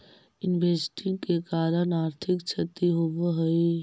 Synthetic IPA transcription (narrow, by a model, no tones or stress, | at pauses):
ɪnʋeːsʈɪ̃ŋkekaːɾənaːɾt̪ʰɪkt͡ʃʰət̪iɦoʋɦəi